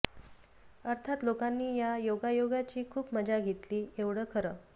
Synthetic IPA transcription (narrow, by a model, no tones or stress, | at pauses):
əɾt̪ʰat̪lokanːiːjajoɡajoɡat͡ɕiːkʰuːpməd͡ʑaɡʱet̪liːeʋɽəːkʰəɾə